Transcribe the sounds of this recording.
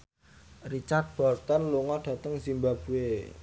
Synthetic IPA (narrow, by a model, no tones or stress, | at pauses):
rit͡ʃart̪̚b̥ɔrt̪ənluŋɔɖ̥ä̤t̪əŋsimbab̥ṳe